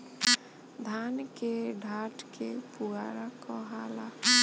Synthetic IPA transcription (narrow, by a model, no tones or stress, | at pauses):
d̪ʱankeɖʱaʈkepuɡaɾakɔɦala